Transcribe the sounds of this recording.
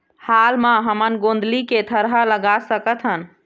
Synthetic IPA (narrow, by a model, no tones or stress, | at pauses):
halmãɦəmənɡõnd̪liket̪ʰəɾɦaləɡasəkət̪ʰɦən